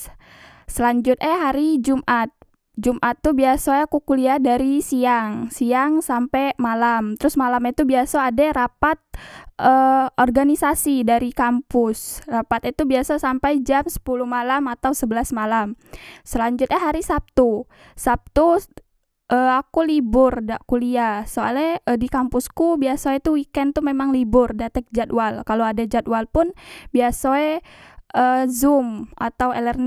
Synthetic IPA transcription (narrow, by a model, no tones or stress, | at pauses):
səlaɲd͡ʒʊt̪̚ɲaɦaɾid͡ʒumʔat̪̚ | d͡ʒumʔat̪ːubiasaakukuliadaɾisiaŋsiaŋsampɛmalamt̪əɾʊsmalamit̪ubiasoadaɾapat̪̚ʔəɔrɡanisasidaɾikampʊsrapat̪it̪ubiasasampajd͡ʒamsə̥puluhmalamat̪awsəbəlasmalamsəlaɲd͡ʒʊt̪̚ɲaɦaɾisap̚t̪u | sap̚t̪u | ʔəakulibʊrdaʔkuliasoa̰lɛədikampʊskubiasoet̪uwikɛnt̪umemaŋlibʊrdat̪ɛk̚d͡ʒat̪walkaloadad͡ʒat̪̚walpʊnbiasoeʔəːzʊma̰t̪awelɛrn